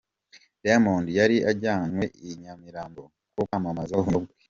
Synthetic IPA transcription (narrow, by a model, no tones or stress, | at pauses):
damoːndjaɾiʔaɟaːnwe̞iɲamiɾaːmbo | kokamamazoɦuobɡi